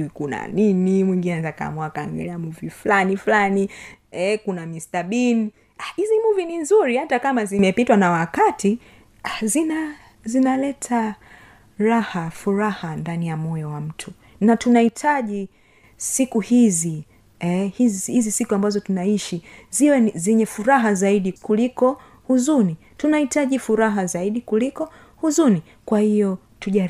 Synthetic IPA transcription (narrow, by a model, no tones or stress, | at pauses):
ikuna̰ninimwiŋɡinɛzaka̰mwakaŋɡɛ̰lɛamuvifulaniflaniɛkunamistaɓin | ahizimuvininzuɾihatakamazimɛpitwanawakati | azina | zinalɛtʰa | ɾahafuɾahandanijamɔjɔwam̩tʰu | natunahitʰaʄi | sikuhizi | ɛhizhizisikuambazɔtunaiʃiziwɛzɛɲɛfuɾaɦazaiɗikulikɔ | huzuni | tunahitaʄifuɾaɦazaiɗikulikɔ | huzuni | kwahijɔ | tuʄaɾ